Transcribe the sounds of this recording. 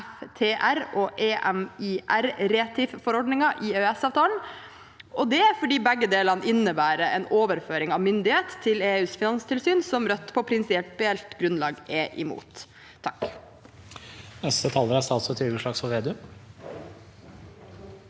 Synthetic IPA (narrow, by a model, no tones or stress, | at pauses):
ft̪ʰeːʔæɾoːʔeːʔɛmiʔæɾɾeːt̪ʰɪffɔɾɔɖnɪŋɑʔɪːøːɛsɑːʋt̪ʰɑːln̩ | ɔd̪ɛæfɔɖiːbɛɡːəd̪eːlɑnəɪnːəbæːɾəɛnoːʋəɾføːɾɪŋɑʋmʏnd̪ɪheːt̪ʰːɪleːʉːsfɪnɑnst̪ʰɪlsyːnsɔmɾœt̪ːpʰɔpʰɾɪnsɪɛlt̪̚bɛɛlt̪ɡɾʉnlɑ̰ːɡɛʔɪ̰mṵːt̪ʰː | ɑk | nɛst̪ət̪ʰɑləɾæst̪ɑːt̪sɔt̪ʰɾɪɡəʂɭɑːksɔʋeːd̪ʉ